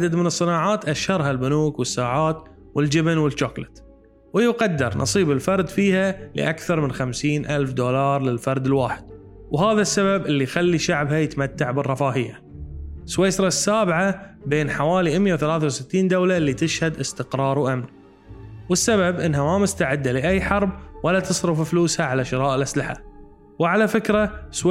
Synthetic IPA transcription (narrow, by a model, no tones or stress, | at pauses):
ʕad̪ad̪mɪnɨsˤːɨnaːʕaːt̪ʔaʃhɑɾˤɦalbʊnuːkwɪsːaːʕaːt̪ | wɪld͡ʒɪbnwɪlt͡ʃːoːklɪt̪ | wɪjʊqɑd̪ːɪɾˤnʔɑ̰sˤiːbɪlfɑɾˤd̪fiːhalɪ̰ʔakθɑɾˤmɪnxamsiːnʔalfd̪oːlɑːɾˤlɪlfɑɾˤd̪ɪlwaːħɪd̪̥̚ | wɦaːðasːaβabʔɪlːixalːiʃaʕbhajɪt̪amat̪ːaʕbɪrˤːɑfaːhɪjːa | sweːsɾˤɑsːaːbʕabeːnħawaːliʔɪmjawθalaːθawsɪt̪ːiːnd̪awlalːit̪ɪʃhad̪ʔɪst̪ɪqɾˤɑːɾˤwʔamn | wɪsːaβabʔɪnːɦamamʊst̪aʕɪd̪ːalɪʔajːħɑɾˤbwalat̪ɨsˤɾʊffluːshaʕalaʃɪɾˤɑːʔɪlʔaslɪħa̰ | wʕalafɪkɾas